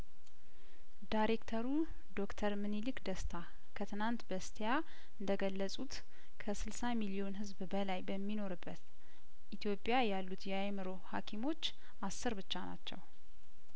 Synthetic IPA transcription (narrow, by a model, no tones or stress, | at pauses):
d̪ajɾe̞kt̪ʰəɾu | d̪o̞kt̪ʰəɾmɨnilɨkd̪əst̪ʰa | kʰət̪ʰɨnant̪bəst̪ʰeja | ɨnd̪əɡəlːəsʼut̪ | kʰəsɨlsamilio̞nɦɨzbbəlajbəmːino̞ɾɨbːət̪ | ʔit̪ʰjo̞pʼjajalːut̪jɛajmɨɾo̞ha̰kʰimo̞t͡ʃː | ʔasːɨɾbɨt͡ʃːana̰t͡ʃːɛ̰w